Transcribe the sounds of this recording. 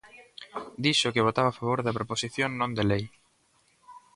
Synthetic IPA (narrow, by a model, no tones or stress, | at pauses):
d̪iʃʊkɪβ̞ot̪aβafaβ̞oɾðɐpɾoposiθjoŋnõnd̪elej